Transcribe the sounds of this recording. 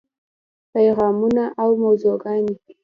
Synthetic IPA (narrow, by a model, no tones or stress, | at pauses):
pajɣɑmunaʔawmawzoɡɑni